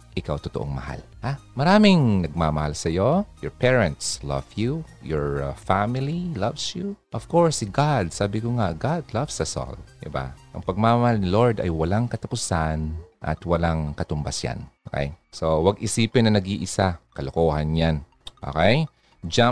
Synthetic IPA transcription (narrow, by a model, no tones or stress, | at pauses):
ʔɪkawt̪ot̪oʔoŋmɐ̰ha̰l | hamɐɾaːmɪŋnɐɡ̚mamɐhalsɐjo̞jɔɹpʰɛɹɛ̃nt̪slɐ̰vjujɔɹfamɪlilɐvsjuʔɔv̥koɹsɡad̪̚saːbɪkoŋaɡad̪lɐvsɐso̰ld̪ɪ̰ba̰ʔɐ̰ŋpɐɡ̚mamɐhalnɪloɹd̪ɐ̰jwɐlaŋkɐt̪ɐpʊsanʔɐ̰t̪wɐlaŋkɐt̪ʊmbasja̰nokɛ̰jsowɐɡʔɪsiːpɪnːɐnɐɡiʔɪsakɐlokoːhɐnɲan | ʔo̰ːkɛj | d͡ʒa